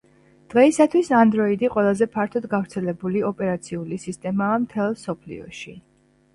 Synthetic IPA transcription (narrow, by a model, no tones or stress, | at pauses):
d̪̥ʁɛisat̪ʰwisand̪ɾɔid̪iqʼwɛlˠazɛpʰaɾt̪ʰɔd̪ɡavɾt̪sʰɛlɛbuliɔpʼɛɾat̪sʰiulisist̪ʼɛmaːmt̪ʰɛlˠsɔpʰlḭɔ̰ʃi